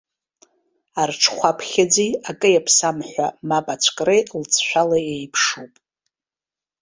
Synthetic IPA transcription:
arʈ͡ʂʰχʷapʰχʲad͡ziakʼɨjapʰsamħʷa̰mapʼat͡ɕʷʰkʼrejlt͡sʰʃʷᶣalaejpʰʂupʼ

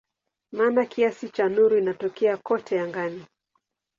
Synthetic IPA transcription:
maːnakiasit͡ʃanuɾuinatɔkɛakɔtʰɛjaŋɡani

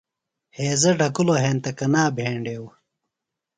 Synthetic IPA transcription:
heːzɐɖɐkuloɦeːnt̪ɐkɐnaːbʱeːɳɖeːw

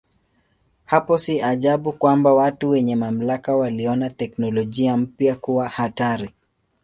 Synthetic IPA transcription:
hapɔsiaʄaɓukwambawatuwɛɲɛmam̩lakawaliɔnatɛknɔlɔʄiam̩pjakuwahataɾi

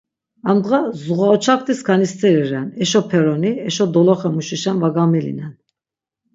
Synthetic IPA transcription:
amd̪ʁazuʁaɔt͡ʃʰak̚t̪ʰiskʰanist͡s̪ʰʼɛɾiɾɛnɛʃɔpʰɛɾɔniɛʃɔd̪ɔlɔχɛmuʃiʃɛnvaɡamilḭnɛn

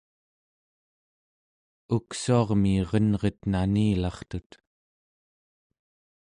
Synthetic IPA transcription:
uksuɑʁmiːʁʌnʁet̪naniːlɑχt̪ut̪

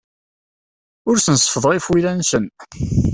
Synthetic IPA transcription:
ʊɾsənsˤə̥fəðˤʁifwilænsən

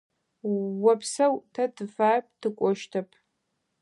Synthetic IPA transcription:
wɐpʰsɐwtʰɐtʰɨfaːrp̚ʰʼtʰɨkʷʼɔʃtʰɐpʰ

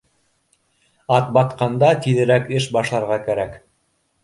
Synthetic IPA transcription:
ɑt̪̚bɑt̪qɑnd̪ɑt̪iðɘ̆ɾækɘʃbɑʃlˠɑɾʁɑkæɾæk

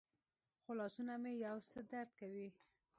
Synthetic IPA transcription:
xolɑsunamejawsəd̪aɾd̪̚kawi

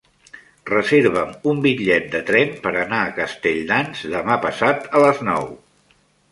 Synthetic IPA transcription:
rəzeɾβəmumbiʎɛt̪̚d̪ət̪ɾɛmpəɾənaːkəst̪eʎnanzd̪əmapəsat̪ələznɔw

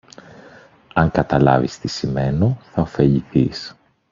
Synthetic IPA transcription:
ɐŋkɐt̪ɐlɐ̰vist̪isime̞noθɐo̞fe̞ʎiθis

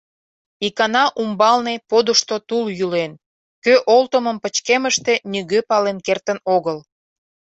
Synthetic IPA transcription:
ikɑnɑʔumbɑlnepod̪uʃt̪ot̪uljylen | køʔolt̪oməmpət͡ɕkeməʃt̪e̽nyɣøpɑlenkert̪ənoɣəl

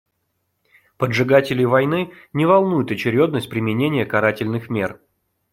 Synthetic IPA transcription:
pədʐɨɡatʲɪlʲɪjvɐjnɨ | nʲɪvɐlˠnujʊt̪ɐt͡ɕɪɾʲo̞d̪nəsʲt̚ʲpɾʲɪmʲɪnʲenʲɪjəkɐɾatʲɪlʲnɨxmʲe̞r

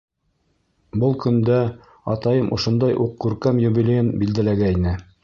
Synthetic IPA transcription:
bɤlˠkɵ̆nd̪æ | ɑt̪ɑjɤmʔŏ̰ʃŏnd̪ɑjʔuqːʉɾkæmjubilʲejɘnbild̪ælæɡæinɘ

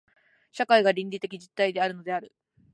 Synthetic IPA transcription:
ɕakaiɡaɾʲĩnʲɾʲit̪e̞kʲid͡ʑit̪ːaid̪e̞aɾɯ̟no̞d̪e̞aɾɯ̟

